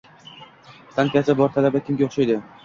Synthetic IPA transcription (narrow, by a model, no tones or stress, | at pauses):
sankʲasabɒɾt̪ʰalabakʲʰɪmɡʲaoχʃajd̪ɪ